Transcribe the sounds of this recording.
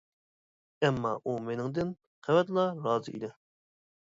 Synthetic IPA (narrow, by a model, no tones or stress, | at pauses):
ɛmːɑ̰ʔumenɪŋd̪ɪn | qʰævɛt̪lˠɑɾɑːzɨʔḭlɛ